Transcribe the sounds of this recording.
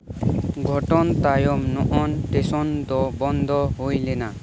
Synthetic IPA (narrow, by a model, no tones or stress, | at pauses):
ɡʱɔʈɔnt̪ajɔmnɔʔɔnʈesɔnd̪ɔbɔnd̪ʱɔɦojlena